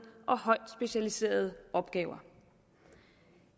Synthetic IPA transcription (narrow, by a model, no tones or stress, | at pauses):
ʔɒ̽hɒ̽ɪ̰d̥sb̥e̝ɕælise̝̰ːɐð̞ˠɒ̽b̥ɡ̥ɛːʊɐ